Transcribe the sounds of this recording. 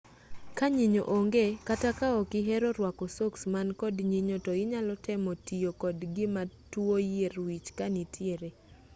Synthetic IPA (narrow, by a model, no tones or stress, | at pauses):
kaɲiɲo̰ʔoŋɡekatakaɔkɪɦɛɾɔɾwakɔsoksmankɔdɲiɲotɔɪɲalɔtɛmɔtijokɔdɡɪmatwojeɾwit͡ʃkanitʰjeɾe